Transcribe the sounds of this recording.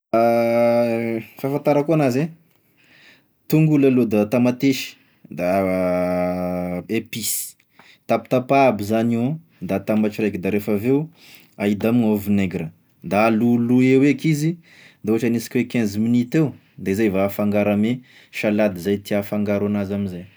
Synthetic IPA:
a | fafant̪aɾakuanaze | t̪uŋɡulalud̪at̪amat̪eʃi̥ | d̪a | episi̥ | t̪api̥t̪apaːbizano | d̪at̪ambat͡ʃiɾajkid̪aɾefaveu | aid̪amiŋovineɡɾə | d̪aːluluewekizi | d̪auaʈ͡ʂaniskwekɛ̃zminit̪ew | d̪azajvafaŋɡaɾame | ʃalad̪izajt̪iafaŋɡaɾanazamizaj

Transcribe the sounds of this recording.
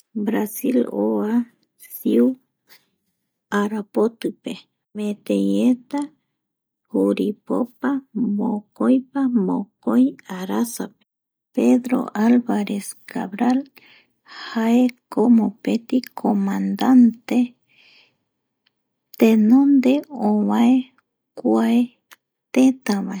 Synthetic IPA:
bɾasiloa | siu | aɾapot̪ɨpe | mẽt̪ejet̪a | huɾipo̰pamõkojpamo̰kojaɾasape̥ | peðɾo̰ʔalβaɾeska̰βɾal | hhaekomopet̪ikʰomãnd̪ant̪e | t̪ẽnõnd̪eõβae | kʷae | t̪et̪ãβae

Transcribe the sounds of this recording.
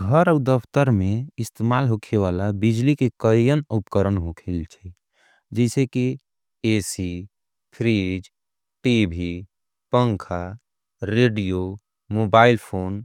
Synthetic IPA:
ɡʱəɾəud̪əpʰt̪əɾmẽɪst̪emaːlɦokʰeʋalabid͡ʒlikekəjənupkəɾənɦokʰelt͡ʃʰɛ | d͡ʒɛɪseki | esi | pʰɾid͡ʒ | ʈibʱi | pə̃ŋkʰa | ɾeɖijo | mobaːɪlpʰoːn

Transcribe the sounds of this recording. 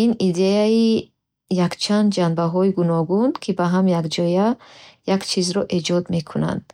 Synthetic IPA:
inid̪eai | jakt͡ʃʰand̪d͡ʒanbaɦɔiɡunɔɡunkʰibaɦamjaɡd͡ʒɔjajakt͡ʃʰizɾɔʔed͡ʒɔd̪me̞kʰuna̰nd̪̥

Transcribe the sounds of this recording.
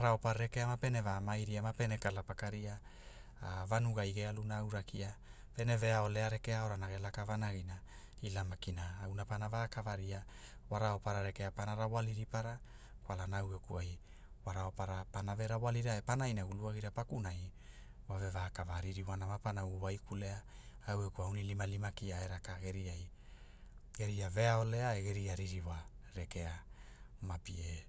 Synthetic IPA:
aɾaopaɾɾeke̞amape̞ne̞vamajɾiamape̞nekalapakaɾia | avanuɡajɡealunaːwɾakia | pe̞ne̞ve̞ao̞le̞aɾe̞ke̞ao̞ɾanaɡe̞lakavanaɡina | ilamakinaːwnapanavakavaɾia | waɾao̞paɾaɾe̞keapanaɾawaliɾipaɾa | kwalanaawɡakuaj | waɾaopaɾapanave̞ɾawaliɾaepanajnaɡuluaɡiɾapakunaj | wave̞vaːkavaɾiɾiwanamapanawwajkule̞aawekuaunilimalimakiaeɾakaɡe̞ɾiaj | ɡe̞ɾiave̞ao̞le̞aeɡe̞ɾiaɾiɾiwaɾeke̞amapḭe

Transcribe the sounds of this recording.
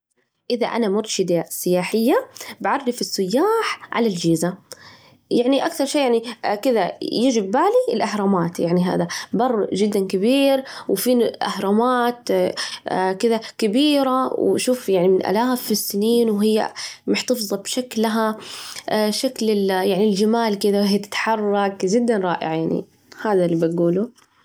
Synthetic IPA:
ʔɪða̰ʔa̰namʊɾʃɪd̪asːɪjaːħɪjːabaʕɑrˤːifɪsːʊjːaːħʕa̰lald͡ʒiːza | jaʕniʔakθɑɾˤʃeːjaʕnikɪðajɪd͡ʒɪbːaːliɪlʔahɾˤɑːmaːt̪jaʕniɦa̰ːðabɑrˤːʒɪd̪ːankɪbiːɾwfiːnʔahɾˤɑmaːt̪ː | kɪðakɪbiːɾawʃuːfjaʕnimɪnʔa̰laːfɪsːɪniːnwɦɪjːa̰mʊħt̪ɑfðˤɑbʃaklːaɦa | ʃaklɪljaʕnild͡ʒamaːlkɪðawhiːat̪ɪ̥t̪ħɑrˤːɑkʒɪd̪ːanɾˤɑ̰ːʔɪ̰ʕajaʕnḭ | haːðalːiːbaɡuːlu

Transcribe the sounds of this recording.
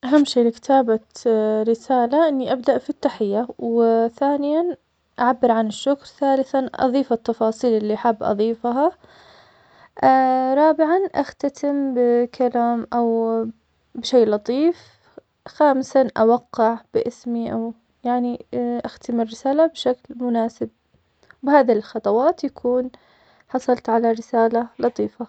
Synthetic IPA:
ʔaɦamːʃeːlɪkɪ̥t̪ʰaːbaɾɪsaːlaʔɪnːiʔabd̪aʔfit̪ːaħɪjːawθaːnɪjan | ʔaʕabːɪɾʕanɪʃːʊkɾˤθaːlɪθanʔɑ̰ðˤiːfat̪ːɑfɑːsˤiːlʔɪlːiʔaħabːʔɑ̰ðˤiːfɦa | ɾˤɑːbɪʕanʔaxt̪at̪ʰɪmbɪkʰalaːmʔaw | bɪʃejːlɑt̪ˤiːf | xaːmɪsanʔawaqːɑʕb̥ɪʔɪsmiʔaw | jaʕniʔaxt̪ɪmɪrːɪsaːlabʃaklmʊnaːsɪb̚ | bɪhaːðlxɑt̪ˤɑwɑːt̪jakʰuːn | ħɑsˤɑlt̪ʕalaɾɪsaːlalɑt̪ˤiːfa

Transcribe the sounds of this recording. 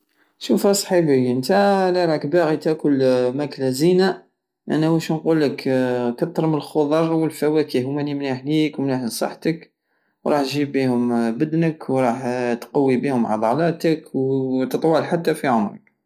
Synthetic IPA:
ʃufhæsˤħibiənt̪æliɾˤɑkbaɣit̪ækʊlmæklæzina | ʔæ̰næwæʃnqulːəkkɑt̪ˤːɾˤməlxoðˤɑɾˤwəlfæwækihʊmænimnaħlikwmnaħnisˤɑ̰ħt̪ək | wɾˤɑħt̪ʒibihʊmbəd̪nəkwɾˤɑħt̪qɑwːibihʊmʕɑ̰d̪ˤɑlɑt̪əkwt̪ət̪ˤwɑlħat̪ːæfiʕʊmɾə̰k̚

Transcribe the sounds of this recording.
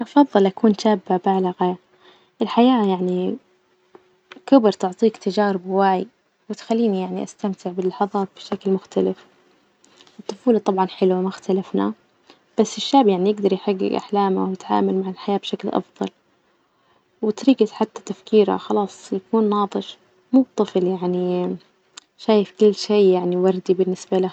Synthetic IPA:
ʔɑfɑðˤːɨlʔakuːnʃaːbːabaʕlaɣa | ʔɪlħajaːjaʕni | kʊbɾt̪ʊʕt̪ˤiːkt̪ad͡ʒɑːɾɪbwaːj | wɪt̪xalːiːnijaʕniʔast̪amt̪ɪʕbɪlːɑħɑðˤɑːt̪̚b̥ɪʃaklmʊxt̪alɪf | ɨt̪ˤːʊfuːlɑt̪ˤɑbʕɑnħɪlwamʊxt̪alafna̰ | b̥asːɪʃːaːʕbjaʕnijɪɡd̪ɑɾˤjħaɡːɪ̰ɡʔa̰ħlaːma̰wjɪt̪ʕa̰ːmalmaʕɪlħajaːbʃaklʔɑ̰fðˤɑ̰l | wɪt̪ɾiːɡat̪ħat̪ːḁt̪afkiːɾa̰xɑlɑːsˤjakuːnːɑːt̪ˤɨʃ | muːb̚t̪ˤːɨfljaʕni | ʃaːjɪfkʊlːʃeːjaʕniwɑɾˤd̪ibɪnːɪsbala

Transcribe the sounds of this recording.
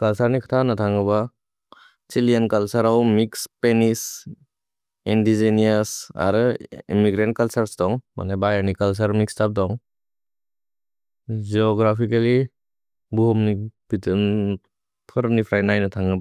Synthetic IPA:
kalsaɾnikʰḁtʰanatʰaŋɯba | t͡ʃilijankalsaɾawmikspenis | indiziniasa̰ɾɯimiɡɾent̚kalsaɾsdɔŋma̰nebajanikals̬aɾmikstap̚dɔŋ | d͡ʒiɔɡɾapʰikali | buhɔmnib̥itɯn | pʰɯɾpnipʰɾajnajnatʰaŋɡɯba

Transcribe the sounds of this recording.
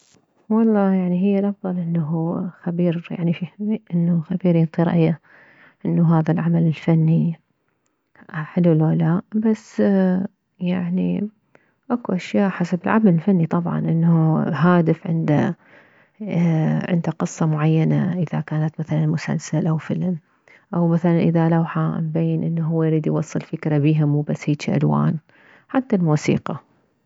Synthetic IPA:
wɑlˤːɑːjaʕniɦɪjːalʔɑfðˤɑlʔɪnːaɦuxabiːɾja̰ʕnifiʔɪnːuxabiːɾjɪnt̪ˤiɾɑ̰ʔjːa | ʔɪnːuɦaːðalʕamalɪlfanːi | ħɪlulalaːʔbasː | jaʕnḭ | ʔakuʔaʃjaːʔħasabɪlʕa̰malɪlfanːit̪ˤɑbʕɑ̰nʔɪnːuɦaːd̪ɪfʕɪ̰nd̪a | ʕɪ̰nd̪aqɨsˤːɑmʊʕajːanaʔɪðakaːnat̪maθalanmʊsa̰lsalʔawfɪlm | ʔawmaθalanʔɪðalawħambajːɪnʔɪnːaɦʊwːajɾiːd̪jwɑsˤːɨlfɪkɾabiːɦamuːbasːhiːt͡ʃiʔa̰lwa̰ːn | ħat̪ːalmuːsḭːqɑ

